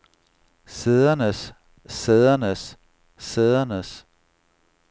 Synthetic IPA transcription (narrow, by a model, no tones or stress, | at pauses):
seðˠɐnəsː | eðˠɐnəsː | eðˠɐnəs